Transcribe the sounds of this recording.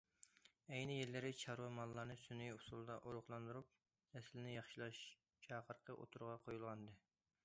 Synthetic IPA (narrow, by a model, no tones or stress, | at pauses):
ɛjnɪjelːɪɾɪt͡ʃʰɑɾwɑmɑlˠːɑɾnɨsynijusulˠd̪ɑʔoɾʊχlˠɑnd̪uɾup̪̚ | ɛslɪnɪjɑχʃilˠɑʃ | t͡ʃʰɑːqʰəɾqʰəʔo̰t̪ʰuɾʁɑqʰojulˠʁɑnɨd̪ɨ